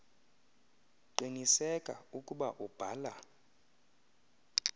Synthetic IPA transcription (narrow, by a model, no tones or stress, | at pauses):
ǃinisɛkʼaukʼuɓaʔub̥ʱa̰ːla